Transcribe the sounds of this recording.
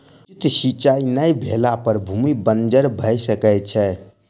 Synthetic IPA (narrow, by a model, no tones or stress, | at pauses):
it̪sit͡ʃainəjbʱelapəɾbʱumibənd͡ʒəɽbʱəjsəkət͡ʃʰɛ